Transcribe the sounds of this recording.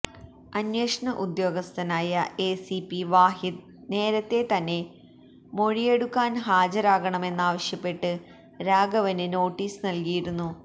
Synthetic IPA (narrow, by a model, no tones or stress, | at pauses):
ɐnjeːʂɐɳɐʔud̪jo̞ːɡɐst̪ʰɐnaːjɐe̞ːsipːiʋaːɦid̪̚ | ne̞ːɾɐt̪ːe̞t̪ɐnːe̞ | mo̞ɻije̞ɽukːaːnɦaːd͡ʑɐɾaːɣɐɳɐme̞nːaːʋɐɕjɐpːe̞ʈːɨ | ɾaːɡɐʋɐnɨno̞ːʈːiːsɨnɐlkijiɾunːu